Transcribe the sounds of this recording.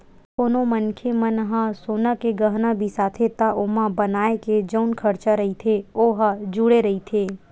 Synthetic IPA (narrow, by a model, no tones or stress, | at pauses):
koːnomənkʰemənɦasoːnakeɡəɦnabʱisaːt̪ʰet̪aʔʊmãbənaːeked͡ʒəʊnkʰɐɾt͡ʃaɾɐɦit̪ʰeoːɦad͡ʒuɽeɾɐɦit̪ʰeː